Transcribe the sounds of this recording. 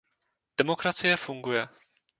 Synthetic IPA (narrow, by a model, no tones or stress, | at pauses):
d̥ɛmo̞kɾat͡sɪjɛfuŋɡujɛ